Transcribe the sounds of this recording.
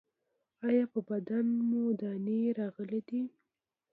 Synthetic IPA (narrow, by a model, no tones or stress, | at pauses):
ɑjɑpəbad̪anmod̪ɑneɾɑɣəlid̪i